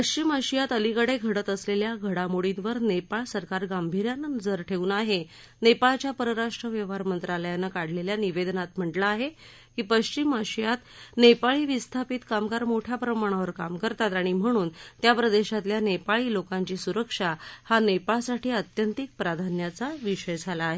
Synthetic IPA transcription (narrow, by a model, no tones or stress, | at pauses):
pəɕt͡ɕiməɕijat̪əlikəɽeɡʱəɽət̪əsleljaɡʱəɽamoɽinʋəɾnepaɭsəɾkaɾɡambʱiɾjanənəd͡zəɾʈʰeʋuːnaɦe | nepaɭt͡ɕjapəɾəɾaʂʈɾəʋjəʋ̤aɾmənt̪ɾaləjanːakaɽleljaniʋed̪nat̪m̤əɳʈlaːɦe | kiːpəɕt͡ɕimaɕijat̪nepaɭiːʋist̪ʰapit̪kamkaɾmoʈʰjapɾəmaɽ̃aʋəɾkamkəɾt̪at̪aɽ̃im̤əɽ̃uːnt̪japɾəd̪eɕat̪ljanepaɭiːlokaɲt͡ɕiːsuɾəkʂahanepaɭsaʈʰiːət̪jənt̪ik̚pɾad̪ʱanjat͡saʋiɕəjd͡zʱalaːɦe